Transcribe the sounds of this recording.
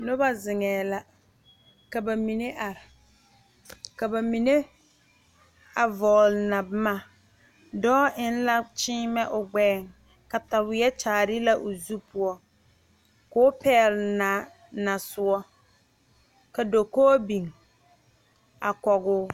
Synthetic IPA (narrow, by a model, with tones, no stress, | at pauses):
nʊ˦ba˦zɪ˨ŋɛː˨la˦ | ka˨ba˨mi˨ne˦ʔa˨ɾɪ˨ | ka˨ba˨mi˨ne˦ | a˨vɔː˨lna˨bɪ˦ma˨ | dɔː˦ɪ˦n˦la˦t͡ʃɪː˦mɛ˦ʔʊ˨ɡ͡bɛː˦˨ŋ | ka˨ta˨wɪ˨˦ɛ˦t͡ʃaː˨ɾɪ˦la˦ʔʊ˨zu˦pʊ˦ɔ˦ | kʊː˦pʰɛː˦˨lɪ˨na˨ | na˨sʊ˨ɔ˦ | ka˨do˨koː˦bi˨ŋ | a˨kɔ˨ɣʊː˦